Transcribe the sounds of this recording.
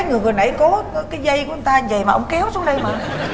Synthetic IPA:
jŋɨ˨˩əŋɨ˨˩nɗa̰˧˩jko˨˦˨kaː˨˦jzə˧jku˧˦ɨ˧˦t̪aː˧ɲ˦˩və̰˧˨jmaː˨˩ʔə̰˧wŋ͡mkɛ˨˦wsu˨˦ɗə˧jmaː˨˩

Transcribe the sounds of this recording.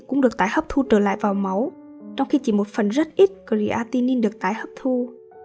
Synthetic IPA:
kʊ̰˧˥ŋ͡mɗɨ˨˩ək̚t̪aː˨˦jhə˦˥p̚t̪ʰu˧t͡ɕəː˧˩la̰ː˧˨jvaː˨˩wma˨˦w | t͡ɕɔ˧wŋ͡mxi˧t͡ɕi˧˩mo˨˩t̚fə˨˩nzə˦˥t̚ʔi˦˥t̚kə˨˧˩zḭ˧˩ʔaː˧t̪i˧ni˧nɗɨ˨˩ək̚t̪aː˨˩˦jhəː˦˥p̚t̪ʰu˧

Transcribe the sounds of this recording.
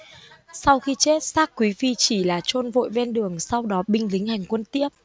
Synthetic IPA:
sa˧wxi˧t͡ɕe˦˥t̚saː˦˥k̚kːwi˨˦vi˧t͡ɕi˧˩laː˨˩t͡ɕo˧nvo̰˧˨jve˧nɗɨ˨˩əŋsa˧wɗɔ˨˦ɓï˧ŋ̟lï˨˦ŋ̟ha˨˩jŋ̟kwə˧nt̪i˦˥əp̚

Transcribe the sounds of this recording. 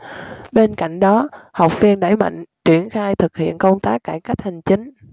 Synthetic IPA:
ɓe˧nka̰˧˨jŋ̟ɗɔ˨˦ha˨˩wk͡p̚fi˧ənɗa˧˩jma̰˧˨jŋ̟t͡ɕwi˧˩ənxaː˧jt̪ʰɨ˨˩k̚hḭ˧˨ənkə˧wŋ͡mt̪aː˦˥kːaː˧˩jka˦˥k̚ha˨˩jŋ̟t͡ɕï˨˦ŋ̟

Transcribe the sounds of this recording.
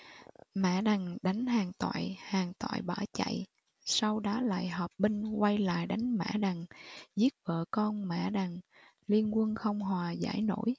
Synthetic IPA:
ma̰ː˧˥ɗa˨˩ŋɗa˨˦jŋ̟haː˨˩ŋt̪wa̰ː˧˨jhaː˨˩ŋt̪wa̰ː˧˨jɓaː˧˩t͡ɕa̰˧˨j | sa˧wɗaː˨˦la̰ː˧˨jɦɔː˨˩p̚ɓï˧ŋ̟kwa˧jla̰ː˧˨jɗa˨˦jŋ̟ma̰ː˧˥ɗa˨˩ŋzi˦˥ət̚və̰ː˧˨kɔ˧nma̰ː˧˨ɗa˨˩ŋ | li˧ənkwə˧nxə˧wŋ͡mɦwaː˨˩za̰ː˧˥˩jno̰˧˥˩j

